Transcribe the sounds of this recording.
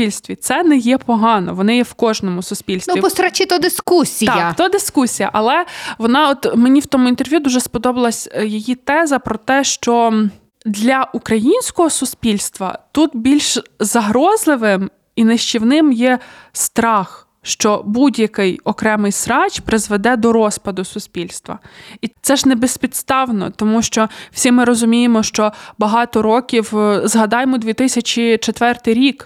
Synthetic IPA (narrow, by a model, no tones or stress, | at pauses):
pilʲst̪ʋʲit̪sɛnɛjɛpɔɦɑnɔ̰ʋɔnɪjɛwkɔʒnɔmʊsʊsʲpʲilʲsʋipɔɾɐt͡ʃɪt̪ɔd̪ɪskusʲit̪ɐt̪ɔd̪ɪskusʲijɐ̰ʔɐlˠɛʋɔnɑɔt̪menʲiwt̪ɔmʊint̪erʋʲjud̪uʒɛspɔd̪ɔbɐlˠɐsʲjɔjit̪ɛzɐpɾɔt̪ɛʃt͡ʃɔ | d̪lʲɐʔukɾɐjinʲsʲkɔɦɔsʊsʲpʲilʲst̪ʋɐ̰t̪ut̪bʲilʲʃzɐɦɾɔzlˠɪʋɪm | ineʃt͡ʃʲiwnɪmjɛst̪ɾɑx | ʃt͡ʃɔbudʲjɐkɪjɔkɾɛmɪjsɾɑt͡ʃpɾɪzʋed̪ɛd̪ɔɾɔspɐd̪ʊsʊsʲpʲilʲst̪ʋɐ̰it̪sɛʒnebespʲit̪st̪ɑwnɔ̰t̪ɔmuʃt͡ʃɔw̥sʲimɪɾɔzʊmʲijemɔʃt͡ʃɔbɐɦɑt̪ɔɾɔkʲiwzɦɐd̪ɑjemɔd̪ʲʋʲit̪ɪsʲɐt͡ʃʲit͡ʃet̪ʋɛrt̪ɪjɾʲik